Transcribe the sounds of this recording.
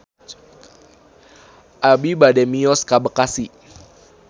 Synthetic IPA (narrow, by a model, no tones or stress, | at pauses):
ʔabibadɛmiɔskabəkasi